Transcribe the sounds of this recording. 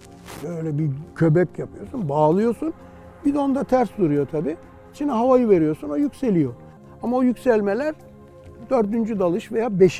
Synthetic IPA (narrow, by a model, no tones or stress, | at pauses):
bøjlʲɛbicʰø̞bɛcjapʰɯjo̞ɾsunbaːlˠɯjo̞ɾsun | bid̪o̞nd̪at̪ʰæɾsd̪uɾujo̞t̪ʰabiː | it͡ʃʰinɛɦavajɯve̞ɾijo̞ɾsunajycse̞lʲijo̞ɾ | amaojycsælʲmelʲæɾ | d̪øɾd̪ynd͡ʒyd̪alˠɯʃve̞jaːbeʃ